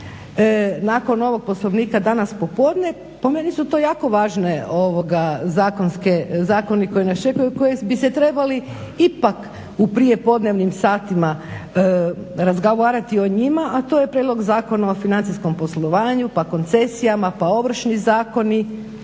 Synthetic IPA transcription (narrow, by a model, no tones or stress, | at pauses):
naːko̞no̞ʋo̞ɡ̚po̞slˠoʋniːkad̪anaspo̞po̞ːd̪ɲe̞ | po̞menisut̪o̞jaːko̞ʋaːʒneoʋo̞ɡazaːko̞nskezaːko̞niko̞jinest͡ʃe̞kujuko̞jebiset̪ɾe̞bali | ipak | upɾije̞po̞d̪ne̞ʋnimsaːt̪ima | ɾazɡaʋaːɾat̪io̞ɲimaʔat̪o̞je̞pɾjed̪lo̞ɡzaːko̞nao̞finant̪isko̞mpo̞slˠo̞ʋaːɲupako̞nt̪se̞sijamapao̞ʋr̩ʃnizaːko̞ni